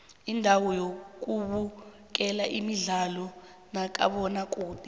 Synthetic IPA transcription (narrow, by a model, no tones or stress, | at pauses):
indʱawɔjok̬ʼuɓu | k̬ʼɛlaʔimiɮalɔ | nak̬ʼa̰ɓɔnak̬ʼuːti